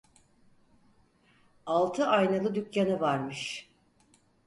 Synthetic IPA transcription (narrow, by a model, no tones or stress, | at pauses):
alˠt̪ʰɯʔajnalˠɯd̪ykjanɯvaɾmɯʃ